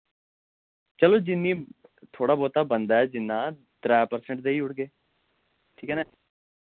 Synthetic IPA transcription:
t͡ʃəloːd͡ʒɪnːiːt̪ʰoːɽaːboːt̪aːbənd̪aːɛːd͡ʒɪnːãː | d̪̥ɾaːjapəɾsəɳʈ̚d̪eːiːʊɽɡeː | ʈʰiːkɦɛːnɛː

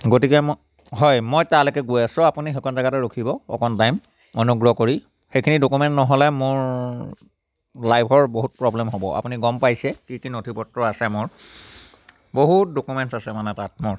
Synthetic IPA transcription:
ɡotikɛ | ɦɔjmojtalɛkɛɡujasʊ̃apunixɔkɔnzaɡatɛɹokʰibɔɔ̰kɔntajm | ɔnuɡɹɔkoɹi | xejkʰinidokumɛntnɔɦɔlɛmʊɹ | lajbʱɔɹboɦut̚pɹɔblɛmɦobɔ̰a̰puniɡɔmpajsɛkikinotʰipɔtɹɔasɛmʊɹ | boɦut̚dokumɛntsasɛmanɛtat̚mʊɹ

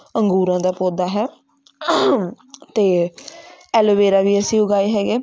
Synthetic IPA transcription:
əŋɡuːɾãːd̪aːpoːd̪aːɦɛː | t̪eː | ɛːlʋeːɾaːʋiːəsĩːʊɡaːeːɦɛːɡeː

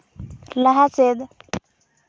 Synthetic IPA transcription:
laɦased̪

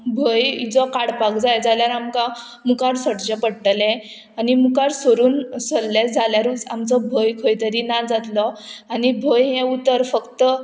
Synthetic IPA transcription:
bʱəjid͡zɔkaɽpakd͡zajd͡zaljaɾamka | mukaɾsəɽd͡ʑepəɽʈəlɛ̃ | animukaɾsoɾuːnsəlːesd͡zʱaljaɾut͡samt͡sɔbʱəjkʰəjt̪əɾinad͡zat̪lɔanibʱəjɦɛ̃ut̪əɾfəkt̪ə

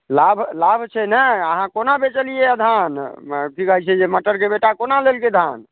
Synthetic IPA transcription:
labʱlabʱt͡ʃʰɛnɛəɦãkonabet͡ʃəlijed̪ʱankikəɦɛt͡ʃʰɛd͡ʒeməʈəɾkebeʈakonalelked̪ʱan

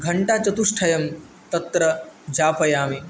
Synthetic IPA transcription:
ɡʱɐɳʈaːt͡ʃɐt̪uʂʈʰɐjɐm | t̪ɐt̪ːɾɐd͡ʒaːpʰɐjaːmi

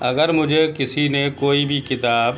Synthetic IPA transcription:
ɐɡəɾmʊd͡ʒʱekɪsinekoːibʱikɪt̪aːb

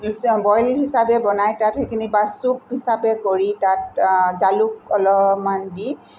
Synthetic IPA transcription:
bɔjlɦisabɛbɔnajtathekʰinibasup̚hisabɛkoɹitat̚zaluk̚ɔlɔmandi

